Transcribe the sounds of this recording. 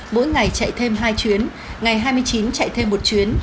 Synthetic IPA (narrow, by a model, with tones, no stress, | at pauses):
mo̰˧˥jŋa˨˩jt͡ɕa̰˧˨jt̪ʰe˧mɦaː˧jt͡ɕwi˨˦ən | ŋa˨˩jɦaː˧jmɨ˧əjt͡ɕi˨˦nt͡ɕa̰˧˨jt̪ʰe˧mːo˨˩t̚t͡ɕwi˨˦ən